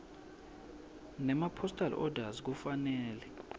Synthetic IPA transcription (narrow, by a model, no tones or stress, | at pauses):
nɛmapʰɔstʼal̰ʔɔdʱazik̬ufanɛːlɛ